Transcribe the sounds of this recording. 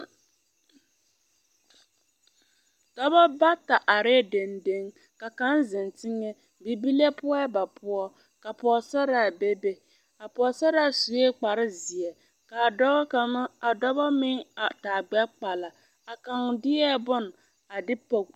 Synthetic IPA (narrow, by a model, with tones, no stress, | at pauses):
tɔ˦bɔ˦ba˦ta˨ʔa˨ɾe˦de˨nde˦ŋ | ka˨ka˨˦nzɪ˨ntɪ˦ŋɛ˦ | bi˨bi˦le˦pʊ˦ɔ˦ba˨pʰʊ˦ɔ˦ | ka˨pɔː˨sɛ˦ɾa˨be˦be˦ | a˨pɔː˨sɛ˦ɾa˦˨su˨e˦k͡pa˨ɾɪ˦zɪ˨ɛ˨ | ka˨dɔ˦˨˦a˨dɔ˦bɔ˦mɪ˦ŋa˨taː˨ɡ͡bɛ˦k͡pa˨la˨ | a˨ka˨ŋdɪ˦ɛ˦bʊ˦n˨ | a˨dɪ˦po˨k